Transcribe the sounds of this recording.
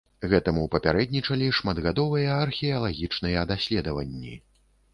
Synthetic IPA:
ɣɛt̪ɐmuwpɐpʲaɾɛd̪nʲit͡ʂɐlʲiʂmad̪ɣad̪ɔvɨjɐːrxʲɛɐlˠaɣʲit͡ʂnɨjɐːd̪asʲlʲɛd̪ɐvɐ̰nʲːḭ

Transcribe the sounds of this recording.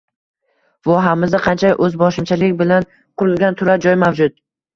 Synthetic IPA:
vɒɦamɪzd̪aqʰɑnt͡ʃʰaʔɵzbɒʃɪmt͡ʃʰalɪkʲbɪlan | qʰʊɾɪlˠɡʲant̪ʰʊɾad͡ʒɒjmawd͡ʒʊt̪̚

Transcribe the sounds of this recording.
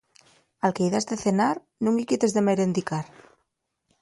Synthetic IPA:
alkeiðazd̪eθenaɾ | nũŋikit̪ezðemeɾend̪ikaɾ

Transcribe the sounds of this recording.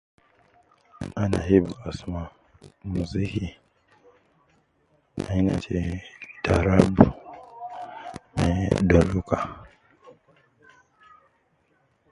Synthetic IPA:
ana̰hibuasma | muziki | a̰ina̰t͡ʃɛtaɾabu | mɛ̰dɔluka

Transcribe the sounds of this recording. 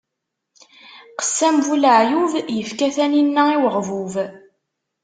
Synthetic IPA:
qə̥sːæmvuləʕjuvjəfkæθæninːæiwəʁvuv

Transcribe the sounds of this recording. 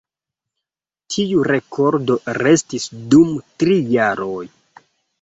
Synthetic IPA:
tʰiuɾe̞kʰo̞ɾdo̞ɾe̞stisdumtɾijaɾoj

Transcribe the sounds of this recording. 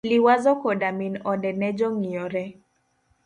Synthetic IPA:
liwazɔkɔdaminɔdɛnɛd͡ʒɔŋiɔɾɛ

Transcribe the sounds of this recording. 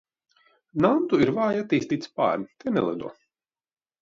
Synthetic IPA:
nant̪uiɾvaːjat̪ːiːst̪iːt̪spa̰ːɾnʲit̪enɛ̰lˠɛ̰d̪ṵɔ

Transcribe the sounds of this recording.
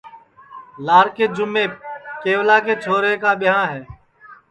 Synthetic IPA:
laːɾkeːd͡ʒʊmːeːkeːʋlaːkeːt͡ʃʰoːɾeːkaːɓɪjãːɦɛː

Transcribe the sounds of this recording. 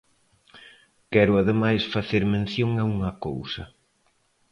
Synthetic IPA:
kɛɾʊaðemajsfaθeɾmẽn̟θjoŋɐuŋɐko̰wsɐ

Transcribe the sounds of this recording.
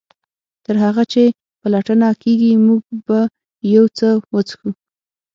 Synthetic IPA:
t̪əɾɦaɣat͡ʃe | palaʈənakeɡimuɡba | jawt͡səwət͡sxu

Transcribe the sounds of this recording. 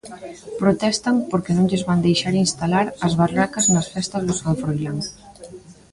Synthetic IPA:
pɾot̪ɛst̪ɐŋpoɾkɪnõŋʎezβand̪ejʃaɾinst̪alaɾɐzβarakɐznɐsfɛst̪ɐzðʊsaɱfɾojlaŋ

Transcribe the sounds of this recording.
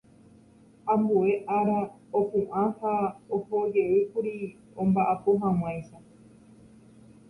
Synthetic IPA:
ãmbueʔaɾaopũʔãhaohod͡ʒeɨkuɾi | õmbaʔapoɦãw̃ãj̃sa

